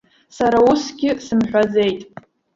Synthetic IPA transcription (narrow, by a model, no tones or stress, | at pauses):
saɾausɡʲɪsɨmħᶣʷad͡ze̞jtʼ